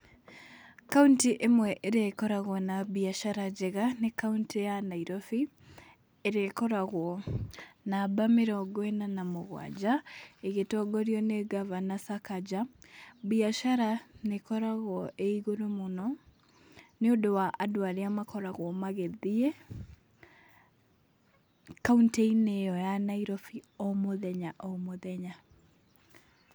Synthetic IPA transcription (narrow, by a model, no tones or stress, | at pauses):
kauntiʔemwɛʔeɾekɔɾaɣwɔnabiaʃaɾad͡ʑɛɣanekauntijanaiɾɔfi | eɾekɔɾaɣwɔ | nabameɾɔɡwɛnanamoɣwa̰d͡ʑaeɣetɔɡɔɾiɔneɡavanasakad͡ʑabiaʃaɾanekɔɾaɣwɔʔeiɣoɾomonɔ | neodowaʔadoaɾeamakɔɾaɣwɔmaɣɛðie | kaunteineɔjanaiɾɔfiɔmoðɛɲaʔɔmoðɛɲa